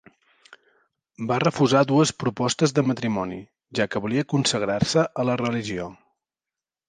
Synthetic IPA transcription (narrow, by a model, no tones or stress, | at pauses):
barəfuzaðuəspɾupɔst̪əzðəmət̪ɾimɔni | ʒakəβuliəkunsəɣ̞ɾarsəʔələrəliʒio